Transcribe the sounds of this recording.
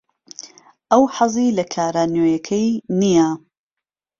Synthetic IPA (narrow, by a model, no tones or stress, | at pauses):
ʔɐwħɑzˤilɐkʰaːɾaːnjoːjɐkʰɐjnija